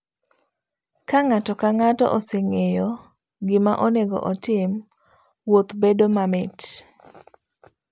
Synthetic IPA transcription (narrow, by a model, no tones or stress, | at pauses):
kaŋatɔkaŋatɔ̰ʔɔseŋejɔ | ɡɪma̰ʔɔneɡɔ̰ʔɔtɪm | wot̪bedomamɛt